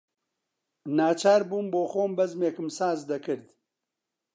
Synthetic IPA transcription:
naːt͡ʃʰaːɾbuːnboːxoːmbɐzmeːkɨmsaːzd̪ɐkʰɨɾd̪

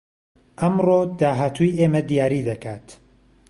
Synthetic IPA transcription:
ʔɐmrod̪aːɦaːt̪ʰujʔeːmɐd̪ijaːɾid̪ɐkʰaːt̪

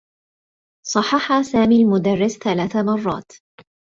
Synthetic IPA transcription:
sˤɑħːɑħaːsaːmiːlmʊd̪arːɪsθalaːθamɑrˤːɑ̰ːt̪

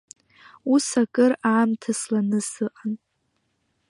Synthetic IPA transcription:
usakʼɨraːmtʰaslanɨsɨqʼan

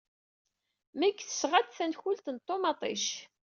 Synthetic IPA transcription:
mæɡθə̥sʁəd̪θænçult̪ənt̪ˤːomɑt̪ˤḭʃ

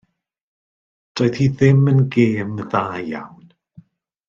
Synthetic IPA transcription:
d̥oːɨθhiðɪmənɡeːmðaːja̰wn

